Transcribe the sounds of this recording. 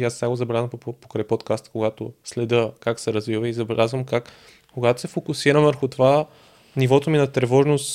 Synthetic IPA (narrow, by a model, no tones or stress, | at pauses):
iasaɡozɐbɛlʲazvəmppo̥kɾajpɔt̪kast̪koɡat̪oslɛd̪ɤkaksɛɾɐzvivəizɐbɛlʲʔazvəmkak | koɡat̪o̥sɛfokʊsiɾəmvəɾxʊt̪ova | nivɔt̪ominɐt̪ɾɛvɔʒnost̪